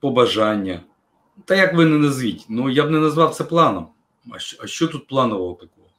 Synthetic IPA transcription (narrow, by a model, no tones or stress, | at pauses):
pɔbɐʒanʲːɐ | t̪ɐjakʋɪnɛnɐzʋʲitʲnujabnɛnɐzʋɑwt̪sɛplˠɑnɔm | ɐɐʃt͡ʃɔt̪ut̪̚plˠɑnʊʋɐlˠt̪ɐkɔɦɔ